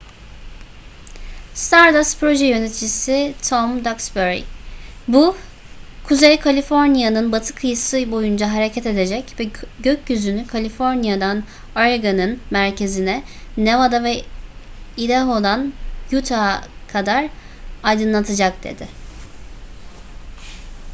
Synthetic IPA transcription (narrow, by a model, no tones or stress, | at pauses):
st̪ʰaɾd̪aspɾo̞ʒɛjø̞net̪ʰid͡ʒisit̪ʰomd̪aksbøɾḭbu | kʰuzejkʰalʲifo̞ɾnijanɯnbat̪ʰɯ̥kʰɯjɯsɯbo̞jund͡ʒaɦaɾecʰɛt̪e̞d̪e̞d͡ʒɛcvɛɟøcjyzynykʰalʲifo̞ɾnijad̪an | ajaɡanɯnmæɾcʰe̞zinɛnevad̪avɛ | id̪eɦo̞d̪anjut̪ʰakʰad̪aɾ | ajd̪ɯnlˠat̪ʰɯd͡ʒak̚d̪̥e̞̰d̪ɪ